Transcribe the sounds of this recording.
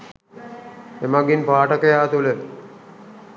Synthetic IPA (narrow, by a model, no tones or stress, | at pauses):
emaɡinpaːʈɐkɐjaːt̪ulə